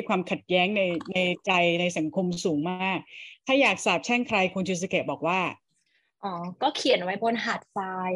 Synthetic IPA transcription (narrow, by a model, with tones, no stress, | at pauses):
jkʰwaː˧mkʰa˨˩t̪̚jɛː˦˥ŋna˧jna˧jt͡ɕa˧jna˧jsa˩˦ŋkʰo˧msuː˩˦ŋmaː˥˩k̚t̪ʰaː˥˩jaː˨˩k̚saː˨˩p̚t͡ɕʰɛː˥˩ŋkʰɾa˧jkʰu˧nt͡ɕʰu˧s̬i˧ke˨˩t̚bɔː˨˩k̚waː˥˩ | ʔɔː˧˩˦kɔː˥˩kʰi˨˩˦ə˦nwa˦˥jbo˧nɦaː˨˩t̪̚faː˧j